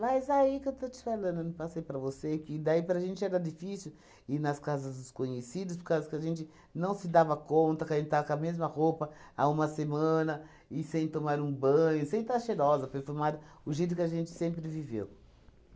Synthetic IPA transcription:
majzaikewt̪ot͡ʃ̪ɪ̥falɐ̃nd̪pasejpɾɐvosekɪd̪aipɾɐaʒẽnt͡ʃɪɛɾɐd͡ʒ̪ifisɪw | inɐskazɐzd̪ʊskõɲesid̪ʊspʊɾkazʊkɪaʒẽnt͡ʃɪ | nɐ̃w̃sɪd̪avɐkõnt̪ɐkɐʒẽnt͡ʃɪt̪avɐkamezmɐhopɐa̰ũmɐsemɐ̃nɐ | ɪsẽj̃t̪omaɾũbɐ̃ɲʊsẽj̃t̪aʃeɾɔzɐpeɾfuɾmad̪ɐʊʒejt̪̬ʊkɪaʒẽnt͡ʃɪ̥sẽmpɾɪvivḛw

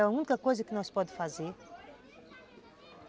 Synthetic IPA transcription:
aũnkɐkojzɐkɪnɐ̃w̃spɔd̪faze

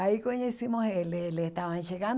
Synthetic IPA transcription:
aikoɲẽsĩmõheleleht̪aβanʃeɣan

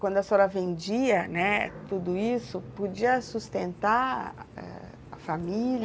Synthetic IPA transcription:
kwɐ̃nd̪ʊɐsɔɾɐvẽnd͡ʒiɐnɛt̪ud̪ʊisʊpod͡ʒiɐsust̪ẽnt̪aɛ̰ | ɐfamilʲ

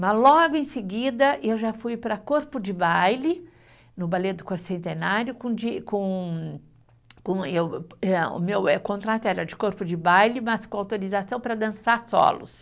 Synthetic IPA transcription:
mɐzlɔɡʊẽsɪɡid̪ɐʔewʒafujpɾɐkoɾpʊd͡ʒɪbajlɪ | nʊbaled̪ʊkoɾsẽnt̪enaɾjʊkõd͡ʒikõ | kõewɛʊ̰mewɛkõnt̪ɾat̪ʊɛɾɐd͡ʒɪkoɾpʊd͡ʒɪbajlɪmɐskõawt̪oɾizasɐ̃w̃pɾɐd̪ɐ̃saɾsɔ̰lʊ̰s

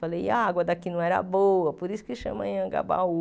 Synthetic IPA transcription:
alejaɡwɐd̪akinɐ̃w̃ɛɾɐ̰boɐpoɾisʊ̥keʃɐ̰̃mɐ̰̃j̃ɐ̃ɡa̰ba̰u

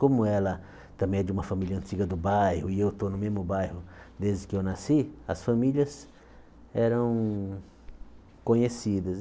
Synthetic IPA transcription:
kõmʊɛlɐ | t̪ɐ̃bẽj̃ɛd͡ʒɪũmɐfɐ̃milʲɐɐ̃nt͡ʃiɡɐd̪ʊbajhʊɪewt̪onʊmezmʊbajhʊd̪ezd͡ʒɪkɪewnasiɐsfɐmiliɐs | ɛɾɐ̃w̃ | kõɲesid̪ɐs

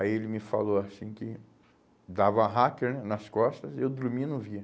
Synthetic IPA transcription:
aielɪmɪfa̰loasĩkɪ | d̪avɐaɦakeɾnɛnɐskɔst̪ɐzewd̪uɾmĩnʊ̃viɐ

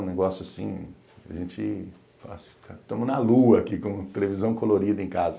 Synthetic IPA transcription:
neɡɔsjʊasḭ̃ | aʒẽt͡ʃɪ | fa̰st̪at̪ɐ̃mʊnɐluɐːkikõt̪elevizɐ̃w̃koloɾid̪ɐẽkazɐ

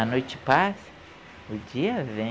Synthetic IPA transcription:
ɐnojt͡ʃɪ̥pasɐ̥ | ʊd͡ʒiɐvẽ

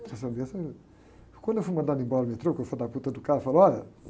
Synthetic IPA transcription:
ɛsɐ̃d̪iɛsɐ̃ | kwɐ̃nd̪ewfuimɐ̃nãnd̪ẽmbɔɾɐmiɐt̪ɾokewfɐd̪aput̪ɐd̪ukaðɐfalɔlɐ

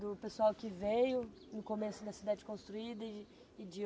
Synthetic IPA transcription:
d̪ʊpesuawkɪvejʊ | nʊkomesʊd̪ɐsid̪ad͡ʒɪkõst̪ɾuid̪ɐ | ɪd͡ʒɪ

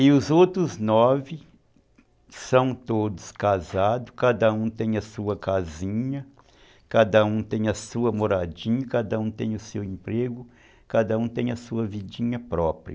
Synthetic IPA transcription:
ɪʊzowt̪ɾʊznɔvɪ | sɐ̃w̃t̪od̪ʊskazad̪ʊkad̪ɐũt̪ẽj̃ɐsuɐkazĩɲɐ | kad̪ɐũt̪ẽj̃ɐsuɐmoɾad͡ʒĩɲɐkad̪ɐũt̪ẽj̃ʊsewẽmpɾeɡʊ | kad̪ɐũt̪ẽj̃ɐsuɐvid͡ʒĩɲɐpɾɔpɾiɐ

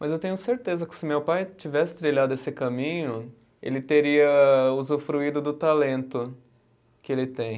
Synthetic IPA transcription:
mɐzewt̪ẽɲʊseɾt̪ezɐkɪ̥sɪmewpajt͡ʃivɛsɪ̥t̪ɾiʎad̪ʊesɪkɐmĩɲʊ | ḛlɪt̪eɾiɐuzʊfɾuid̪ʊd̪ʊt̪alẽnt̪ʊ | kɪelɪt̪ẽj̃

